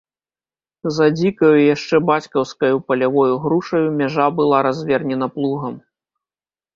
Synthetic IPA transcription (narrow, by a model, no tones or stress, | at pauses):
zɐd͡zʲikɐjujaʂt͡ʂɛbat͡sʲkɐwskɐjupɐlʲavɔjuɣɾuʂɐjumʲaʐabɨlˠaɾazʲvʲɛrnʲɛnɐplˠuɣɐm